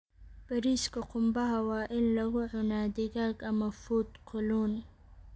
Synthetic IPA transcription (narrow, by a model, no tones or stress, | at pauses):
b̥ɐɾiːskʰɐqʰʊmbɐɦɐwɑːʔɪnlɐɣʊʕʊnaːd̪ɪɣaːɡɐmɐfuːd̪kʰɔluːn